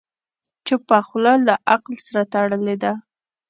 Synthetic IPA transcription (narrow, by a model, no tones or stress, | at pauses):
t͡ʃepaxlɑlaʔaqlsaɾat̪aɽəled̪a